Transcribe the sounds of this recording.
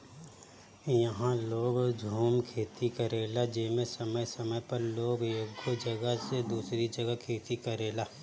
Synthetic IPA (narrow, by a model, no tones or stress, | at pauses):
jɐɦãloːɡd͡ʒʱuːmkʰeːt̪ikɐɾeːlad͡ʒɪːmẽsɐməjsɐməjpɐɾloːɡeːkɡod͡ʒɐɡəsed̪uːsɾid͡ʒɐɡəkʰeːt̪ikɐɾeːlaː